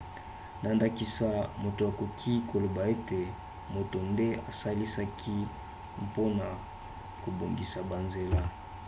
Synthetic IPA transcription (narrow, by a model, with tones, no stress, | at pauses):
nda˦nda˦ki˦sa˦mo˨to˨a˨ko˨kʰi˦ko˨lo˨ba˨e˦te˨ | mo˨to˨nde˦a˨sa˦li˦sa˦kʰi˦ | mpo˦na˨ | ko˨bo˨ŋɡi˨sa˨ba˨nze˨la˦